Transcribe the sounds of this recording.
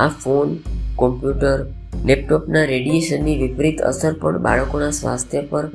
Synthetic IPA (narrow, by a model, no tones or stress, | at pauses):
afonkɔmpjuʈəɾlep̚ʈopnaɾeɖijeʃənːiʋipɾit̪ə̰səɾpə̰ɳba̰ɭəkonasʋa̰st̪ʰjəpəɾ